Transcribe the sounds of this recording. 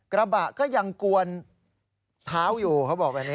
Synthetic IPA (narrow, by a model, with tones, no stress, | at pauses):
kɾa˧ba˨˩ʔkɔː˥˩ja˧ŋku˧ən | t̪ʰaː˦˥wjuː˨˩kʰa˦˥wbɔː˨˩k̚bɛ˧˩ni˦˥